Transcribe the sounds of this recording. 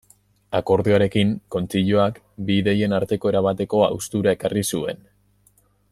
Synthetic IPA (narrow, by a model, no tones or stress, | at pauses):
ako̞ɾðiaɾe̞kiŋko̞nt͡siʎoak | biːðe̞je̞naɾt̪e̞ko̞e̞ɾaβ̞at̪e̞ko̞a̰wst̪uɾae̞karisue̞n